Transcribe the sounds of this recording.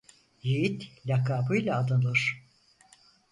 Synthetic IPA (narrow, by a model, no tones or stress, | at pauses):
jijit̪lʲakaːbɯjlʲˠaːd̪anɯɾ̥